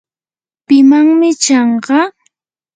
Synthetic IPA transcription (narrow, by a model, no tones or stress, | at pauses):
pɪmaŋmɪt͡ʃɑɴɢɑ